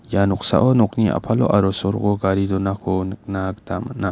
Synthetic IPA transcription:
janɔk̚sa̰ʔɔnɔk̚niʔa̰pʰalɔ̰ʔaɾɔsɔɾɡɔɡaɾidɔnakʰɔnɯk̚naktamana

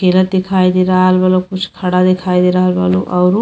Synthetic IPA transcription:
kelɐt̪ːikʰaːjd̪iɾaːlʋɐlukut͡ʃkʰɐɽad̪ikʰaːjd̪iɾaːlʋɐ̰luʔɐʋɾu

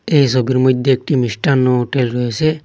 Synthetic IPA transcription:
ejs̬ɔbiɾmɔd̪ʱjeek̚ʈimisʈanːɔɦoʈelɾɔjese

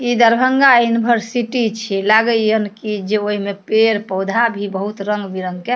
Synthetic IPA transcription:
id̪əɾbʱəŋɡajunibʱəɾsiʈit͡ʃʰilaɡəjənkid͡ʒeoɦimepeɾpəwd̪ʱabʱibəɦut̪ɾəŋɡbiɾəŋɡke

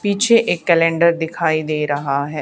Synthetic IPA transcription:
pit͡ʃʰeːʔɪkːɛːlɛ̃ːɳɖəɾd̪ɪkʰaːiːd̪eːɾəɦaːɦɛː

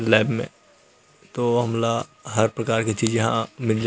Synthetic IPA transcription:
lɛːbmḛ̃ | t̪oɦɐmlaɦɐɾpɾɐkaːɾket͡ʃiːd͡ʒjɐɦã̰mɪld͡ʒ

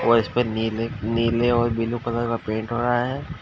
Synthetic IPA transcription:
ɔːɾɪspenileniːleɔːɾbɪlukɐləɾkapẽːɳʈɦoːɾaɦaɦɛː

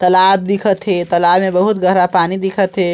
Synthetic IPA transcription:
t̪əlab̚d̪ikʰət̪ɦet̪əlabmebəɦut̪ɡʱəɦɾapaːnid̪ikʰət̪ɦe

